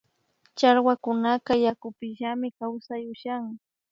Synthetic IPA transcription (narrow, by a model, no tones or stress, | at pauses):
t͡ʃaɾwakʊnakajakʊpɪʃamɪkawsajʊʃaŋ